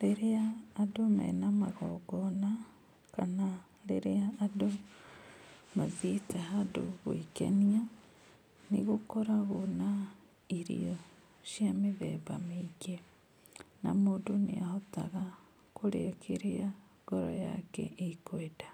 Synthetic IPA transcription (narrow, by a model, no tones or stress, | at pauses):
ɾeɾeaːdoma̰inamaɣɔ̰ɡɔna | kana | ɾeɾeaːdo | maðitahado̰ɣoikḛnia | niɣokoɾaɣona | iɾḭo | ʃjameðeβamiɡe | na̰moːnduneahota̰ɣa | koɾḛkʰeɾea | ɡɔɾo̰ja̰kɛ̰ʔikweda